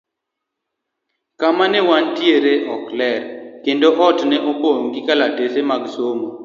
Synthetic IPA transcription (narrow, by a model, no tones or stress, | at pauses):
kamanɛwantjeɾeʔɔklɛɾkendoʔɔtnɛʔopoŋɡɪkalatesemaɡsomo